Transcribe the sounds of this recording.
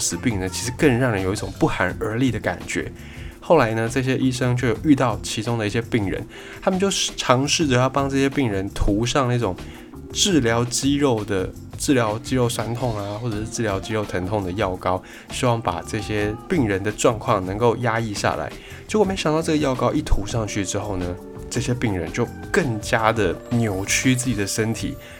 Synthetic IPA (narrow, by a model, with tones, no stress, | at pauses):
sɹ̩˨˩pi˥˩ŋnə˩t͡ɕʰi˧˥ʂɻ̩˧˥kə˥˧nɻɑ˥˩ŋɻə˧˦njo˨˩i˥˩ʈ͡ʂʊ˨˩ŋpu˥˩xa˧˥nə˞˧˥li˥˩d̪ə˩ka̰˨˩nt͡ɕɥɛ̰˧˥˦ | xo˥˩ʊla˧˥ɪnə˧ʈ͡ʂɤ˥˧˩ɕ̬jɛ˥ʔi˥ʂɤ˥ŋt͡ɕʰwɛ˥˩jo˨˩ʊy˥˧t̪ɑ˥˩ʊt͡ɕʰi˧˥ʈ͡ʂʊ˥ŋd̪ə˨i˥˩ɕjɛ˥pi˥˩ŋɻə̰˧˦n | t̪ʰa˥mə˨nt͡ɕjo˥˩ʊ˨˩ʈ͡ʂʰɑ˧˥ŋʂɻ̩˥˩d̪ə˨˩jʊpɑ˥ŋʈ͡ʂɤ˥˩ɕjɛ˥pi˥˩ŋɻə˧˥nt̪ʰu˧˥ʂɑ˥˧ŋna˥˩ʈ͡ʂʊ˨˩ŋ | ʈ͡ʂɻ̩˥˩ljɑ˧˥ʊt͡ɕi˥ɻo˥˩ʊd̪ə˩ | ʈ͡ʂɻ̩˥˩ljɑ˧˥ʊt͡ɕi˥ɻo˥˩ʊʂa˥nt̪ʰʊ˥˩ŋa˨xwɔ˥˩ʈ͡ʂə˨˩ʂɻ̩˥˧ʈ͡ʂɻ̩˥˩ljɑ˧˥ʊt͡ɕi˥ɻo˥˩ʊt̪ʰə˧˥ŋt̪ʰʊ˥˩ŋd̪ə˩jɑ˥˩ʊkɑ˥ʊ | ɕi˥wɑ˥˩ŋpa̰˨˩ʈ͡ʂɤ˥˩ɕjɛ˥pi˥˩ŋɻə˧˦nd̪ə˨ʈ͡ʂwɑ˥˧ŋkʰwɑ˥˩ŋnə˧˥ŋko˥˩ʊja˥i˥˧ɕja̰˩la̰˧˦ɪ | t͡ɕme˧˥ɕjŋt̪ɑ˥˧ʊʈ͡ʂɡə˧jɑ˥˧ʊkɑ˥ʊʔi˥˩t̪ʰu˧˥ʂɑ˥˧ŋt͡ɕʰy˥˩ʈ͡ʂɻ̩˥xo˥˩ʊnə˩ | ʈ͡ʂɤ˥˩ɕjɛ˥pi˥˩ŋɻə̰˧˦nt͡ɕjo˥˧ʊkə˥˩ŋt͡ɕja˥d̪ə˨njo˨˩ʊt͡ɕʰy˥t͡sɹ̩˥˩t͡ɕi˨˩d̪ə˩ʂə˦nt̪ʰḭ˨˩˦